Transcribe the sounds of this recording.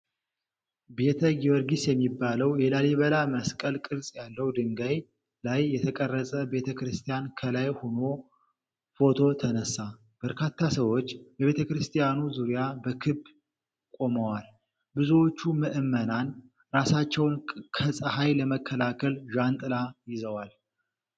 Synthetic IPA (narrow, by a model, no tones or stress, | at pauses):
be̞t̪ʰəɡiwɔɾɡisjɛmːibːaləwjɛlaleβəlaməskʼəlkʼɨɾsʼjalːəwd̪ɨŋɡaj | lajːɛt̪ʰəkʼərːəsʼəbe̞t̪ʰəkɾɨst̪ʰijankʰəlajhono̞ | fo̞t̪ʰo̞t̪ʰənəsːa | b̥əɾkʰat̪ʰːasəwo̞t͡ʃːbɛβe̞t̪ʰəkɾɨst̪ʰʼijanuzuɾijabəkʰɨb | kʼo̞məwal | bɨzuwot͡ʃːuməʔɨmːənan | ɾasat͡ʃːɛwnkʰəsʼəhajləməkʰːəlakʰəlʒant̪ʼɨlajɪzəwal